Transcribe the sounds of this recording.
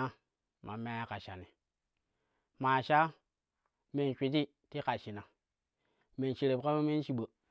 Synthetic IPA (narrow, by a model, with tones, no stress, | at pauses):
a˦ | ma̰˨me˦a˦ka˨ʃa˨ni˨ | ma˨ʃa˦ | me˨nʃʷi˨t̬i˦ | ti˦ka˨ʃi˨na˨ | me˨nt͡ʃi˨ɾe˨ka˦ma˦me˦n˦t͡ʃi˦ɓə˨